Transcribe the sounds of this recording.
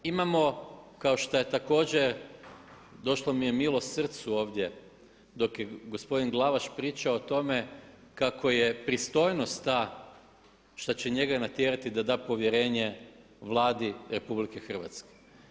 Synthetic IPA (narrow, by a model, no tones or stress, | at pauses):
imamo̞kao̞ʃt̪aje̞t̪ako̞ːd͡ʑeɾ | d̪o̞ʃlomije̞milˠo̞st̪sr̩t̪suo̞ːʋd̪ʲje̞ | d̪o̞kjeɡo̞spo̞d̪inɡlˠaʋaʃpɾiːt͡ʃaot̪o̞me̞kako̞jepɾist̪o̞jno̞st̪t̪ːa | ʃt̪at͡ɕe̞ɲe̞ɡanat̪jeɾat̪id̪ad̪aːpo̞ʋjeɾe̞ːɲe̞ | ʋlˠaːd̪iɾe̞publike̞xr̩ʋa̰t̪ske̥